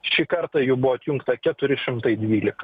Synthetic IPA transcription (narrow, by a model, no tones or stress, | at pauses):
ʃʲiːkɐɾt̪ɐjubʊʋoɐt̪ʲjʊŋkt̪ɐkʲɛt̪ʊɾʲɪʃʲɪmt̪ɐɪd̪ʲʋʲiːlʲɪkɐ̥